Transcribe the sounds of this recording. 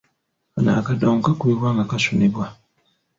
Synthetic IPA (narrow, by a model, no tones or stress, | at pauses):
ana̰ːkadoːŋkakuiwaŋɡakasunebwa